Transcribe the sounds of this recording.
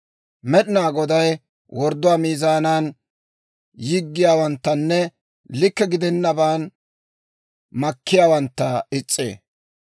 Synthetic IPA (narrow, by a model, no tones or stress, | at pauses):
mɛɗɪnaːɡɔd̪ɐj | wɔɾd̪ːʊwaːmiːzaːnaːn | jɪɡːɪjaːwɐnt̪ːɐnːɛ | lɪkːɛɡɪd̪ɛnːɐbaːn | mɐkːɪjaːwɐnt̪ːɐɪt͡sʼːḛː